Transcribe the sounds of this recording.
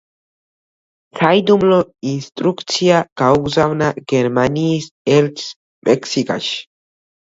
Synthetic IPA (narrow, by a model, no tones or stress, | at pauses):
sajd̪umloinst̪ɾukt͡sjakawɡzawnaɡeɾmanisels | mʔeksika̰ʃ